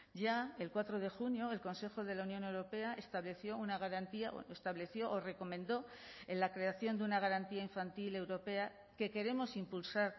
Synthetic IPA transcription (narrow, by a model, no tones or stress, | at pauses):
ɟ͡ʝae̞lkwat̪ɾo̞ð̞e̞xunjo̞elko̞nse̞xo̞ðe̞launjo̞ne̞wɾo̞pe̞aʔe̞st̪aβle̞θjo̞unaɣ̞aɾant̪iaʔo̰est̪aβle̞θjo̞ʔːre̞ko̞mẽ̞nd̪o̞e̞nlakɾe̞aθjo̞nd̪eunaɣ̞aɾant̪iaiɱfant̪ile̞wɾo̞pe̞a | ke̞ke̞ɾe̞mo̞simpulsaɾ